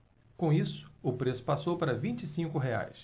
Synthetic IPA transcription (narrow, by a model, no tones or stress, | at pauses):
kõisʊ̥ʊpɾesʊ̥pasowpaɾɐvĩnt͡ʃisĩŋkʊɦea̰js